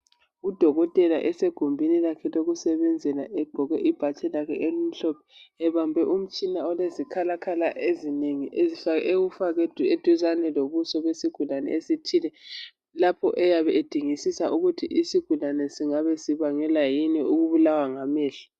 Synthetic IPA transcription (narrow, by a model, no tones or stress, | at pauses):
ud̥ʱɔɣɔtʼɛla̰ʔɛseɡ̥ʱumbʱinilakʰɛloɣusɛβɛnd͡zʱɛlaʔɛɡ͡ǃʱɔɣwɛʔib̥ʱat͡ʃʰʼɛlakʰɛʔelum̩ɬɔpʰɛ̥ɛβambʱɛʔum̩t͡ʃʼinaɔlezikʰalakʰalaʔezineŋiʔezifaɣʔewufaɣɛdʱed̥ʱuzanɛloβusɔβesiɡ̥ʱulanɛ̰esitʰilɛ | lapʰɔʔɛjaβɛed̥ʱiŋisisaʔuɣutʰiʔisiɡ̥ʱulanɛsiŋaβɛsiβaŋɛlajinɛʔuɣuβulawaŋamɛːɬḁ